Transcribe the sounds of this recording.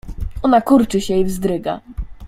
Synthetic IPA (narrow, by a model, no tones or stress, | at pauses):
ɔnakuɾt͡ʂɘɕɛivzd̪ɾɘɡa̰